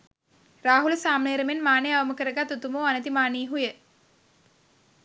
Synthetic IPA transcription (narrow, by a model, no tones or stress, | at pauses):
raːɦuləsaːmneːɾəmenmaːneaʋɐməkəɾəɡat̪ːut̪umoːanət̪imaːniːɦujə